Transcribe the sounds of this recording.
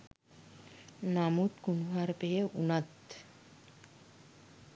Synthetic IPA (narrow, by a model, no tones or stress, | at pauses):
namut̪kunʋaɾpeeʔunat̪